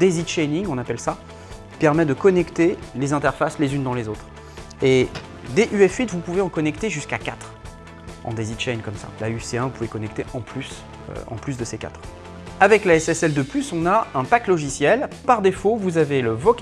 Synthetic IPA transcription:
d̪ezid̪ʃɛjniŋɔ̃napɛlsa | i̥pɛʁmɛd̪əkɔnɛkt̪elezɛ̃t̪ɛʁfaslezynd̪ɑ̃lezot̪χ | e | d̪eʔyɛfɥit̪vupuveɑ̃kɔnɛkt̪eʒyskakat̪χ | ɑ̰̃d̪ezid̪ʃɛjnkɔmsa̰layseɛ̃vupuvekɔnɛk̚t̪eʔɑ̃plys | ø̰ɑ̰̃plysd̪əseka̰t̪χ | avɛklaɛsɛsɛld̪əplysɔ̃naɛ̃paklɔʒisjɛlpaʁd̪efovuzaveləvɔk

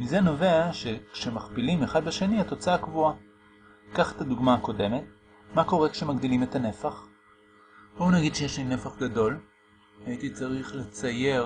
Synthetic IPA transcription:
mize̞no̞ve̞aʃe̞kʃe̞maχpilimeχad̪beʃe̞niato̞t͡saakvua | kaχe̥taduɡmaːko̞de̞me̞t̚ | mako̞ʁe̞kʃe̞maɡdilime̞tane̞faχ | bounaɡid̪ʃejeʃline̞faχɡado̞l | aitit͡saʁiχle̞t͡saje̞

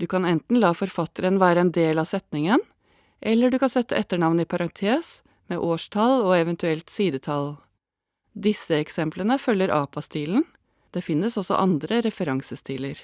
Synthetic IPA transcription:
d̪ʉːkʰɑnɛnt̪n̩lɑːfɔɾfɑt̪əɾənʋæːɾəɛnd̪eːlɑːsɛt̪nɪŋən | ʔɛlːəɖʉkɑnsɛt̪ːə̰ʔɛt̪ːəɳɑʋnəiːpʰɑɾɑŋt̪ʰeːs | meːʔoːʂtʰɑlɔːɛʋɛnt̪ʉɛlt̪siːd̪ət̪ʰɑl | d̪ɪsəɛksɛmplənəfœlːəɾʔɑːpɑst̪ʰiːln̩ | d̪̥eːfɪnːəsɔsɔ̰ʔɑnd̪ɾəɾɛfəɾɑŋsəst̪ʰiːləɾ

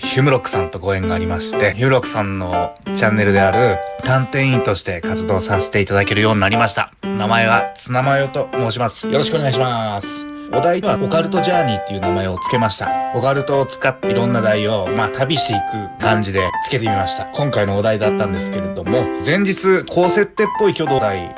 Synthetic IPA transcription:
çɨmɯ̟ɾo̞kɯ̟̥sãnt̪o̞ɡo̞ẽ̞ŋɡaːɾʲimaɕi̥t̪e̞çɯ̟mɯ̟ɾo̞kɯ̟̥sãnnːo̞t͡ɕãnːe̞ɾɯ̟d̪e̞aɾɯ̟t̪ãnt̪ẽ̞ĩnt̪o̞ɕi̥t̪e̞kat͡sɨd̪o̞ːsase̞̥t̪e̞it̪ad̪ake̞ɾɯ̟jo̞ːɲ̟inaɾʲimaɕi̥t̪a̰namae̞βat͡sɨnamajo̞t̪o̞mo̞ːɕ̬imasɨ̥jo̞ɾo̞ɕi̥kɯone̞ɡaiɕimasɨ̥ | od̪aiβao̞kaɾɯ̟t̪o̞ʑaːɲ̟it̪ːe̞jɯ̟ːnamae̞o̞t͡sɨ̥ke̞maɕi̥t̪a̰okaɾɯ̟t̪o̞ːt͡sɨ̥kat̪ːeiɾõ̞nːad̪aio̞mat̪abʲiɕt̪eikɯ̟kãɲ̟d͡ʑid̪e̞t͡sɨ̥ke̞t̪emʲimaɕi̥t̪akõ̞ŋkaino̞od̪aid̪at̪ːãnd̪e̞sɨ̥ke̞ɾe̞d̪o̞mo̞zẽ̞ɲ̟d͡ʑit͡sɨkʰo̞ːse̞t̪ːe̞pːo̞ikʲo̞ːd̪o̞ːd̪ai

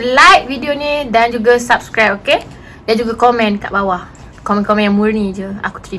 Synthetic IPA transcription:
lajt̚vidionĩdand͡ʒuɡasap̚skɾajp̚oke | dand͡ʒuɡakomɛ̃nka̰ʔbawah | komɛ̃nkomɛ̃njãŋmũɾnĩd͡ʒəa̰ku̥t̪əɾi

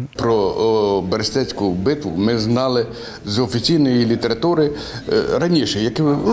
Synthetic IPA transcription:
pɾɔbeɾsʲt̪ɛt͡sʲkʊbɪt̪ʋʊ̰mɪznɑlˠɪ | zɔfʲit͡sʲijnɔjilʲit̪eɾɐt̪uɾɪ | ɾɐnʲiʃɛjɐkɪ

